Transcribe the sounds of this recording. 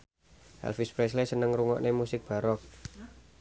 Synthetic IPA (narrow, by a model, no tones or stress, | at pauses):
ʔɛ̰lfispɾɛslesənəŋɾuŋɔ̰ʔnemusɪk̚b̥a̤ɾɔk̚